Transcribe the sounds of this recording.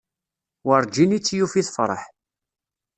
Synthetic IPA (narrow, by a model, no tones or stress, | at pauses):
wəɾˤd͡ʒinit͡sːjufiθfɾˤə̰ħ